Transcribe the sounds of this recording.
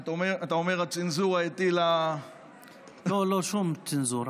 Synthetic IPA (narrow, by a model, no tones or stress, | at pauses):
tomeataomeʁat͡sinzuʁaetila | loloʃumt͡sinzuɾ